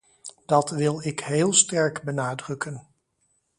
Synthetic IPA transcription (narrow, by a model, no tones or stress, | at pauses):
d̥ɑtʋɪlˠɪkɦeːlˠstɛɹkbənaːdrɵkən